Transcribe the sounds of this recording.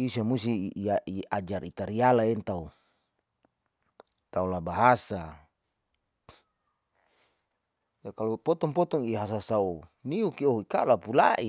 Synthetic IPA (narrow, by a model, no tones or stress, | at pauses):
isamusiaiad͡ʒaɾit̪aɾialaint̪au | t̪aulabaɦasa | jakalopɔt̪ɔŋpɔt̪ɔŋiɦas̬asauniukioika̰lapula̰ʔi